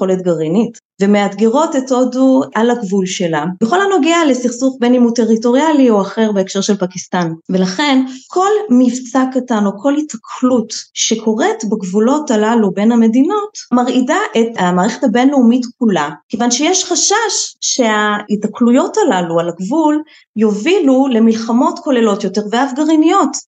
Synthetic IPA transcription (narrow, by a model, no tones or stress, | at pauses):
χoletɡaʁinit | vemeatɡeʁo̞teto̞duʔalaɡvulʃe̞labeχo̞lano̞ɡeale̞siχsuχbe̞nimute̞ʁito̞ʁialio̞aχe̞ʁbeːkʃe̞ʁʃelpakistanvelaχe̞nkʰo̞lmivsakːatano̞kʰo̞lhitakʰlutʃe̞kʰo̞ʁe̞tbaɡvulo̞talalube̞nhame̞dino̞tmaʁʔidaʔetamaːʁeχetabenleumitkulakevanʃejeʃχaʃaʃːe̞aitaklujo̞talalualaɡvul | jovilule̞milχamo̞tko̞le̞lo̞tjo̞te̞ʁveafɡaʁinijo̞t